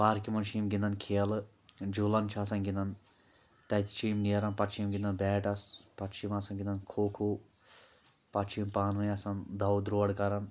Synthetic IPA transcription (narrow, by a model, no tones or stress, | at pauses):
paːɾkimɐnʃiːmɡind̪ɐnkʰeːɐl | d͡ʒulɐnt͡ʃʰɐsɐnɡind̪ɐn | t̪ɐt̪i̥t͡ʃʰiːmniɐɾɐnpɐʈt͡ʃʰimɡind̪ɐnbɛːʈɐspɐtt͡ʃʰimɐsɐnɡind̪ɐnkʰoːkʰu | pɐʈt͡ʃʰimpaːnʋɐjɐsɐnd̪ɐwd̪ɾuʋɐɽkɐɾɐn